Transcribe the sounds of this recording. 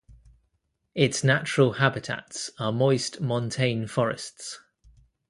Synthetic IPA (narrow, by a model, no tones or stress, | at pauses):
ɪtsnat͡ʃəɹəlˠhabɪtʰa̰tsəmɔɪstmɒ̃ntʰẽɪ̃nfɒɹɪ̰sts